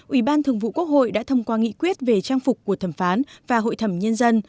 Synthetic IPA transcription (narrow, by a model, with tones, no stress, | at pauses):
ʔwi˧˩ɓaː˧nt̪ʰɨ˨˩əŋvṵ˧˨ku˦˥ək̚ho̰˧˨jɗa̰ː˧˥t̪ʰə˧wŋ͡mkwaː˧ŋḭ˧˥kwi˦˥ət̚ve˨˩t͡ɕaː˧ŋfʊ˨˩k͡p̚kːu˧˩ət̪ʰə˧˩mfaː˨˦nvaː˨˩ɦo̰˧˨jt̪ʰə˧˩mɲə˧nzə˧n